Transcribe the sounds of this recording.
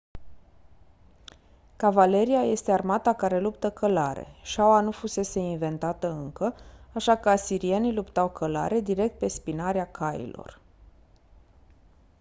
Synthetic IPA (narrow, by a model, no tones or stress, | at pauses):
kavale̞ɾiaje̞st̪e̞armat̪akaɾe̞lupt̪əkʰəlaɾe̞̰ʃawanufuse̞se̞inve̞nt̪at̪əɨŋkəaʃakəasiɾie̞nilupt̪awkʰəla̰ɾe̞d̪iɾe̞k̚t̪̚pe̞spinaɾeakʰajḭlo̞̰r